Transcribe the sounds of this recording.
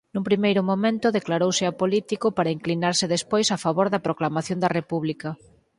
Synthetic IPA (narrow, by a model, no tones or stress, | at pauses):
numpɾimejɾʊmomẽnt̪ʊðeklaɾowsɪapolit̪ikʊpaɾɐiŋklinaɾsɪðespojsafaβoɾðɐpɾoklamaθjõnd̪ɐrepuβlikɐ